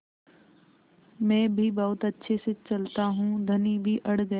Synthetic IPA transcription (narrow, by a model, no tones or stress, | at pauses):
mɛ̃ːbʱibɐɦʊt̪ɐtːʃʰesɪt͡ɕɐlt̪aɦũːd̪ʱɐnibʱiʔɐɽ̤ɡɐ